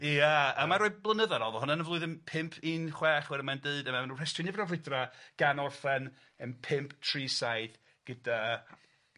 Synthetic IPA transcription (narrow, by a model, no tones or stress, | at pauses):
jaəmaɾoːɨblˠənəðaɾɔðɔhʊnanəvlʊɨðənpʰɪmpʰiːnχwɛːχwɛɾəmandəɨdəmamanurɛstrɨnɪvdɔrwɪdraɡ̥anɔrfɛn | əmpʰɪmpʰtʰriːsajð | ɡ̥əda